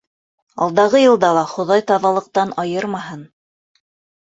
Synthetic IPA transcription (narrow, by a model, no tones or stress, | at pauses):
ɑ̰lˠd̪ɑʁɤjɤ̆lˠd̪ɑlˠɑχŏðɑjt̪ɑðɑlˠɤ̆q̚t̪ɑnɑjɤɾmɑɦɤn